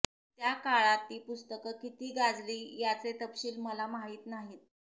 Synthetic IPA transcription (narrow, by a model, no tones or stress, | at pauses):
t̪jakaɭat̪ːiːpust̪əkəkit̪iːɡad͡zliːjat͡set̪əpɕiːlməlamaɦiːt̪naɦiːt̪